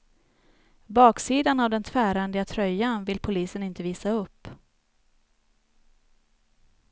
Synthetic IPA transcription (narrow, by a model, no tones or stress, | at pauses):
bɑːksiːd̪anavd̪ɛnt̪ʰvæːɾand̪ɪat̪ʰɾœjːanvɪlpʰʊliːsənɪnt̪əviːsaɵpː